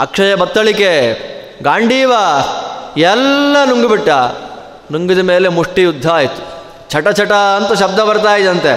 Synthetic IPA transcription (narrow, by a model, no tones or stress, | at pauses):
ɐ̰kʂɐjɐbɐt̪ːɐɭike | ɡaːɳɖʱiːʋɐ | ɛlːɐnuŋɡibiʈːɐ | nuŋɡid̪ɐme̞ːlemuʂʈijud̪ʱːɐːjit̪u̥ | t͡ʃʰɐʈɐt͡ʃʰɐʈɐːnt̪ɐʃɐbd̪ʱɐbɐɾt̪aːjid̪ɐnt̪e